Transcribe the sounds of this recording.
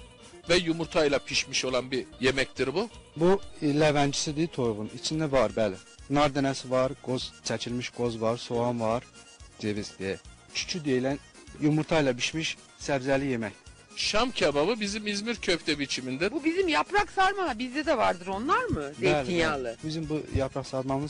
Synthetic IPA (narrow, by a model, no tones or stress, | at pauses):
vɛjumuɾt̪ʰajlˠapʰiʃmiʃo̞lˠanbijemɛc̚t̪ʰiɾbubulevænd͡ʒisid̪it̪ʰo̞jʁunit͡ʃʰind̪ɛvaɾbæːlʲɛ | naɾd̪enɛsvaɾɡ̥o̞z̥t͡ʃʰɛt͡ʃʰilʲmiʃɡ̥o̞zvaɾso̞anvaɾ | d͡ʒ̪evizd̪ijɛ | t͡ʃʰy̥t͡ʃʰyd̪ijelʲæn | jumuɾt̪ʰajlˠabiʃmiʃ | sævzælʲijemɛc | ʃamcʰabaβɯbizimizmiɾcʰøpt̪ɛbit͡ʃʰimind̪ɛbubizimjapɾaksaɾmalˠabizd̪ɛd̪ɛvaɾd̪ɯɾo̞nlˠaɾmɯd̪beɛːlʲinjaːlˠɯbizimbujapɾaksaɾmamɯz